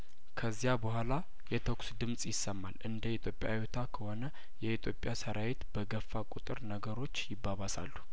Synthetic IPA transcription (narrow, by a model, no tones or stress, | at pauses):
kʰəzːijabəhʷala | jɛt̪ʰoksd̪ɨmsʼjɪsːəmːalʔɨnd̪əit̪ʰjo̞pʼja̰jut̪ʰakʰəho̞nə | jɛit̪ʰjo̞pʼjasəɾawet̪b̥əɡəfːakʷʼut̪ʼɨɾnəɡəɾo̞t͡ʃːjɪbːaβasa̰lːu̥